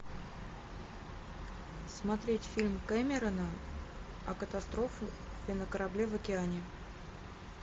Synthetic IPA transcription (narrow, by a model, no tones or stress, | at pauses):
smɐt̪ɾʲetʲfʲilʲmkɛmʲɪɾənə | ɐkət̪ast̪ɾo̞fʊ | pʲɪnəkəɾɐblʲevəkʲɪanʲɪ